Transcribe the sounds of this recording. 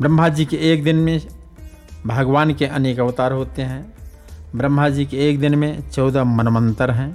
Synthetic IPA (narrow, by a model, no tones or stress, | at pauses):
bɾə̃mʱad͡ʒiːkeːk̚d̪ɪnmẽ | bʱəɡʋaːnkeʔɐneːkəʋt̪aːɾɦoːt̪eɦɛ̃ː | bɾə̃mːʱad͡ʒikeːk̚d̪ɪnmẽt͡ʃɔːd̪amənmə̃nt̪əɾɦɛ̃ː